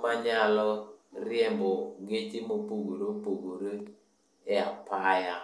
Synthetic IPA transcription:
maɲalɔɾiɛmbɔɡet͡ʃimopuɡoɾopoɡoɾe | eapaja

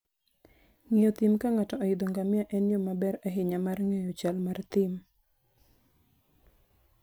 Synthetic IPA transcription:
ŋɪjot̪ɪmkaŋatɔʔɔɪd̪ɔŋɡamɪjaʔɛnjɔmabɛɾɛɦɪɲamarŋejot͡ʃalmart̪ɪm

